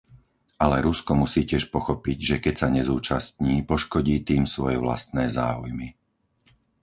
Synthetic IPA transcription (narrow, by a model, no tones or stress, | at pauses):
alɛɾuskɔmusiːcɪɛʃpɔxɔpiɟʒɛkɛcsaɲɛzuːt͡ʃast̪ɲiːpɔʃkɔɟiːt̪iːmsʋɔjɛʋla̰st̪̚nɛːza̰ːṵjmi